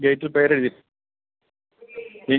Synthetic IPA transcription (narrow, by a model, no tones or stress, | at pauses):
ɡejʈːilpeːɐɾeɽuði | i